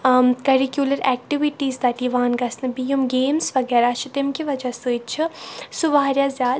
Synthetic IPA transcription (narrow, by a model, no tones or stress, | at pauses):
kɐɾikjulɐɾɛːk̚ʈiʋiʈiːzd̪ɐt̪iʋaːnɡɐsnɐbijumɡeːmsʋɐɡɛːɾaʃʰit̪ɪmkiʋɐd͡ʒɐsɨt͡ʃʰisuʋaːɾjazjaːd̪